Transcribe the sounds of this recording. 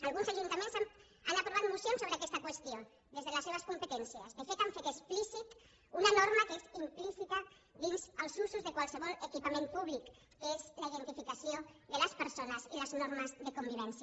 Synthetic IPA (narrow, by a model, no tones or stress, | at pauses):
alˠɣunzaʒunt̪amẽnzam | anapɾuβat̪musjonsoβɾəakɛst̪akwəst̪io | ðezðələseβ̞əskumpət̪ɛnsiə̰zdəfet̪aɱfet̪əsplisit̪ | unanoɾmakəezimplisit̪a | ðinzəlˠzuzuzðəkwalˠsəβɔləkipamẽmpuβ̞likː | əezləiðənt̪ifikasioðələspəɾsonəziləznoɾməzðəkumbiβ̞ɛns